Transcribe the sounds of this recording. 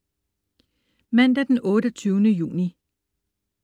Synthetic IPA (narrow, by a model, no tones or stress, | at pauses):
mæn̰d̥æd̥enɔ̽ːɾət͡sʰyːʊnəjṵːni